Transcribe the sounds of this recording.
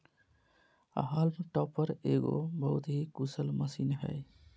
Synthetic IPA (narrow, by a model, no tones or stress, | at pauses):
a̰ɦalmʈɔpːəɾeɡo̰bəɦut̪ɦikusəlməsinɦə̰j